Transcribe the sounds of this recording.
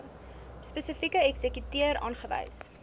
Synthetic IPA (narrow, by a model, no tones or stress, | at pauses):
spəsəfikəɛksəkytiəɾɑ̰ːnχəvɐ̰js